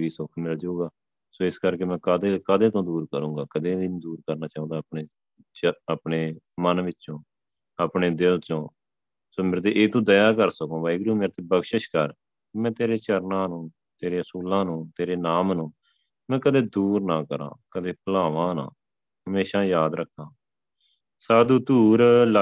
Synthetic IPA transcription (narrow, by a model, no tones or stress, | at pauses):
ʋiːsʊkʰmɪːɾad͡ʒuːɡaː | soːɪskəɾkeːmɛ̃ːkəd̪eːkəd̪eːt̪õːd̪uːɾkəɾũːɡaːkəd̪eːind̪uːɾkəɾnaːt͡ʃaːũːd̪aːp̚neː | t͡ʃəəpɳeː | mənʋɪtːt͡ʃõː | aːpneːd̪ɪlt͡ʃõː | soːmeːɾt̪̬eːʔeːt̪ũːd̪əjaːkəɾsəkõːbaːiɡɾũːmeːɾt̪eːbəɡʃəʃkəɾ | kːmɛ̃ːt̪eːɾeːt͡ʃəɾnãːnũː | t̪eːɾeːəsuːlãːnũːt̪eːɾeːnaːmnũː | mɛ̃ːkəd̪eːd̪uːɾnaːkəɾã̰ːkəd̪eːpəlaːʋãːnã̰ː | ɦəmeːʃaːjaːd̪ɾəkʰːãː | saːd̪uːt̪uːɾl